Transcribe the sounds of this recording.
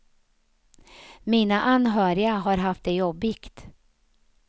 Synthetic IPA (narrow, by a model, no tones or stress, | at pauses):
miːnaʔanɦœːɾɪaɦaɾɦaft̪̚d̪ɛjɔbɪkt̪